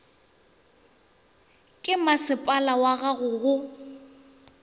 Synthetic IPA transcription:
kʼɪmasɪpʼalawaɣaɣʊɣʊ

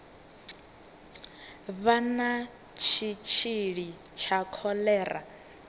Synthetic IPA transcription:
βana | t͡ʃʰit͡ʃʰiɺi | t͡ʃʰakʰɔlɛːra̰

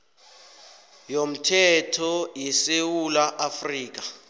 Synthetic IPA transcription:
jom̩tʰɛtʰɔjɛsewulaʔafriːk̬a

